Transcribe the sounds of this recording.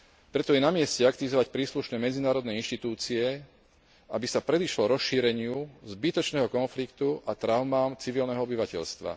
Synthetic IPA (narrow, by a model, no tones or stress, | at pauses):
pɾɛt̪ɔjɛnamɪɛscɛakt̪iʋizɔʋacpɾiːsluʃnɛːmɛd͡zinaːɾɔd̪nɛinʃt̪it̪uːt͡siɛ | abisapɾɛd̪iʃlɔɾɔsʃiːɾɛɲɪuzbit̪ɔt͡ʃnɛːɦɔkɔnflikt̪uʔat̪ɾaʊmaːmt͡siʋilnɛɦɔɔbiʋacɛʎst̪ʋa̰